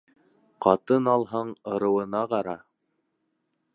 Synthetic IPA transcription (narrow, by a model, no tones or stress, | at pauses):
qɑt̪ɤnɑlˠɦɑɴɤ̆ɾɤ̆wɤ̆nɑqɑɾɑ